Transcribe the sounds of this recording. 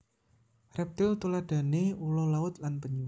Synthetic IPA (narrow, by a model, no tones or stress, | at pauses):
rɛp̚t̪ɪlt̪ulad̥a̤neulɔlaʊt̪̚lanpəɲu